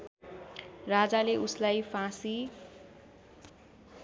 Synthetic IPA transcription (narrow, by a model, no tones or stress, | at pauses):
rad͡zaleʔuslajpʰãsi